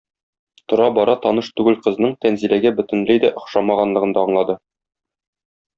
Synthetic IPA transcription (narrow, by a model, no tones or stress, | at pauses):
t̪ŏɾɑbɒɾɑt̪ɒnɤʃt̪ʉɡɘlqɤ̆znɤɴt̪ænzilæɡæbɵ̆t̪ɘ̆nlɘjd̪æʔŏχʃɑmɑʁɑnlˠɤ̆ʁɤ̆nd̪ɑɤɴlˠɑd̪ɤ